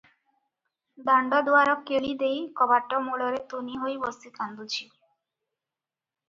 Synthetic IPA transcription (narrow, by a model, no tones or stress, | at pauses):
d̪aɳɖɔd̪oaɾɔkːeɭid̪ejkɔbaʈːɔmuɽɔɾet̪uniɦojbɔsik̪and̪ut͡ɕʰi